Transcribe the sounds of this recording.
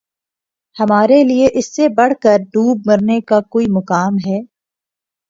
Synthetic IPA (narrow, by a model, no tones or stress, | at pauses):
hɐmaːɾelieʔɪsːebɐɽ̤kəɾɖuːb̚mɐɾnekakoːimɐkaːmɦɛː